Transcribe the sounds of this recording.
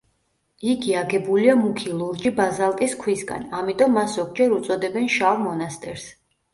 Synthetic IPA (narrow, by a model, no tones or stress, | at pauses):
ikʰiaɡɛbuliamukʰilˠuɾd͡ʒibazalˠt̪ʼiskʰwisɡa̰namit̪ʼɔmːaszɔkʰd͡ʒɛɾut̪sʼɔd̪ɛbɛnʃavmɔnast̪ʼɛɾs